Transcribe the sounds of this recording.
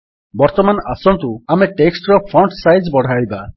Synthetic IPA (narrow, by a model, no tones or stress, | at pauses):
bɔɾt̪ɔmanɔʔasɔnt̪uameʈeksʈɾɔpʰɔɳɖsajzbɔɽ̤ajba